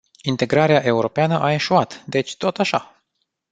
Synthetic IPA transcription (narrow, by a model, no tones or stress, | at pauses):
int̪e̞ɡɾaɾeaʔe̞uɾo̞peanəʔae̞ʃoat̪d̪e̞t͡ʃʲt̪o̞t̪aʃa